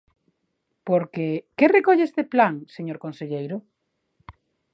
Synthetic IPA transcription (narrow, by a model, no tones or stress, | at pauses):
poɾkekerekoʎeest̪eplaŋseɲoɾkonseʎejɾʊ